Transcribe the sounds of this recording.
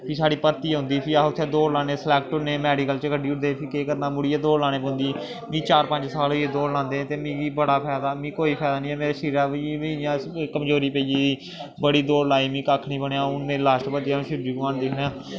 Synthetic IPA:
pʰiːsaːɽiːpəɾt̪iːɦʊ̃ːnd̪iːpʰiːaʊt̪ʰːẽːd̪oːɾlãːnẽːslɛːk̚ʈʊnẽːmɛːɖiːkəlt͡ʃəkʰəɖiːʊʈd̪eːpʰiːkeːkəɾnãːmʊɽiːɛːd̪oːlaːnẽːbõːnd̪iː | mĩːt͡ʃaːɾpə̃ɲd͡ʒsaːlːeːd̪oːɾlãːnd̪ẽːt̪eːmĩːɡiːbəɽaːpʰɛːd̪aːmĩːkoːiːpʰɛːd̪aːnĩːɛ̃ːmeːɾeːʃiːɾaːʋʋĩjãːkəmd͡ʒoːɾiːpeiiːi | bəɽiːd̪oːɾlaːiːmĩːkakʰːnĩːbəɳjãːʊnmeːɾeːlaːsʈbət̪jãːʃʊd͡ʒiːɡaːnd̪eːnjãː

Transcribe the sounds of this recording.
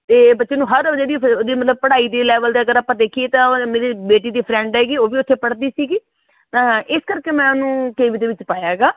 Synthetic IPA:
t̪eːbətːʃeːnũːɦəɾəd͡ʒeːd̪iːod̪iːmət̪ləb̚pəɽaːiːd̪eːlɛːʋəld̪eːəɡəɾaːpãːd̪eːkʰieːt̪ãmeːɾiːbeːʈiːd̪iːpʰɾɛ̃ːɳɖɛːɡiːoːʋiːʊt̪ʰːeːpəɽd̪iːsiːɡĩː | ʔɪskəɾkeːmɛ̃ːʊnũːkeːʋid̪eːʋɪt͡ʃpaːjaːɡaː

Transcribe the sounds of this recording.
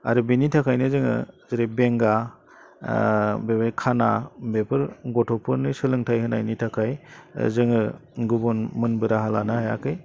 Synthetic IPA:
a̰ɾɯbinitʰakʰajnɯzɯŋɯ̰zɯɾebeŋɡa | bepɾkʰanabepʰɯɾɡɔtʰɔpʰɯɾnɯsɯlɯŋtʰajhɯnajnitʰakʰaj̰zɯŋɯɡubɔnmɯnbɯɾaɦalanahaja̰kʰɯj

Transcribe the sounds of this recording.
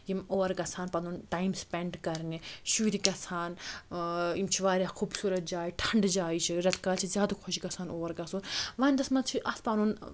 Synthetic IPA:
jimoːɾɡɐsʰaːnpɐnuːnʈaːimspʲɛɳɖkɐɾniʃuːɾikɐsʰaːn | imt͡ʃʰiʋaːɾʲaːxʰuːbsuːɾɐt̪̚d͡ʒaːiʈʰɐɳɖd͡ʒaːit͡ʃʰiɾɐt̪ʰkaːlt͡ʃʰizjaːd̪ɐkʰoʃikɐsʰaːnoːɾɡɐsuːnʋaːnʲd̪ɐsmɐt͡ʃʰiʔɐspanuːn

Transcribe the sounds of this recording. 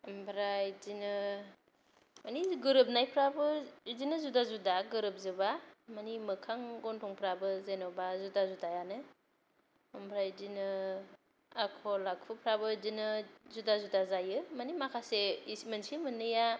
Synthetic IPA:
əmbʰɾajzinɯ | maniɡɯɾɯp̚najpʰɾabɯzinɯzudazudaɡɯɾɯp̚zɯbamanimɯkʰaŋɡɔntʰɔŋpʰɾabɯzenɔbazudazudajanɯ | mbʰɾajdinɯ | akʰɔlak̚pʰɯpʰɾabɯzinɯzudazudazajɯmanimakʰaseismənsimɯnɯja

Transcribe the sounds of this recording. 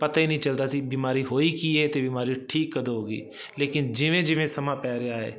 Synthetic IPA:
pɐt̪aɦinɐɦĩt͡ʃɐlt̪at̪ʰibiːmaːɾiɦoːikiɛt̪ebiːmaːɾiʈʰiːkːɐd̪oɦoːɡḭː | leːkɪnd͡ʒɪʋẽd͡ʒɪʋẽsɐmãpɛːɾeaːɦɛ̰ː

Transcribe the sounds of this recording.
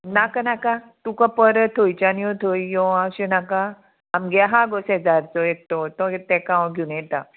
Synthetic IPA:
nakanaka | t̪ukapəɾət̪ʰojt͡ɕanijɔ̃t̪ʰojijɔaɕenakaː | mɡaɦaɡosɛd͡zaɾt͡sɔek̚ʈɔt̪ɔ̃t̪ɛkãw̃ɡʱinjɛt̪a

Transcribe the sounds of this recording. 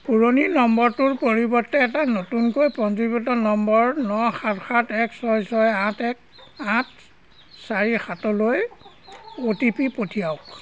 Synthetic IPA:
puɹoninɔmbɔɹtʊɹpoɹibɔɹtːɛɛtanotunkojpɔntibɔtɔnɔmbɔɹnɔxatxʰatɛksɔjsɔjãtɛk | ãt | saɹixatɔloj | otipipotʰijaʊk

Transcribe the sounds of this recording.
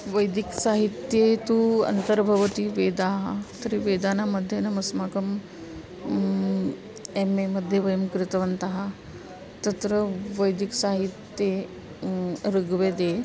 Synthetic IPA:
ʋəjd̪iksaɦit̪jet̪uə̰nt̪əɾbʱəʋət̪iːʋed̪aɦat̪əɾiːʋed̪anaməd̪ʱːjenəməsmakəm | ememəd̪ʱjeʋəjəmkɾɪt̪ʋənt̪aɦa | t̪ət̪ɾəʋəjd̪iksaɦit̪ːje | ɾəɡʋed̪e

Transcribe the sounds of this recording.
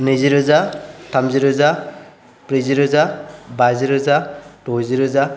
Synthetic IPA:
nɯziɾɯzatʰamziɾɯza | pɾiziɾɯzabaziɾɯzatɔziɾɯza

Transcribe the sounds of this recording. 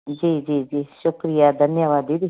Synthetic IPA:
d͡ʒiːd͡ʒiːd͡ʒiːʃʊkɾijaːd̪ʱənjaʋaːd̪iːd̪iː

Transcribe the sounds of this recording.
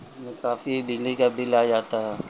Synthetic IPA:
smekafibilikabilajat̪a

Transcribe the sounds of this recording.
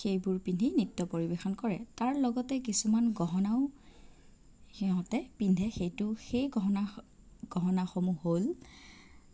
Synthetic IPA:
xejbʊɹpindʱinitːɔpoɹibexɔnkɔɹɛ̰taɹlɔɡɔtɛk̬isumanɡɔɦɔnaʊ | xiɦɔ̃tɛpindʱɛxejtʊxejɡɔɦɔna | ɡ̥ɔɦɔnaxomuhol

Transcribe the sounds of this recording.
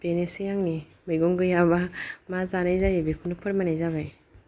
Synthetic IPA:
b̥enesijaŋni | mɯɡɔŋɡɯjabamazanajzajebekʰunɯpʰɯɾmanajzaβaj

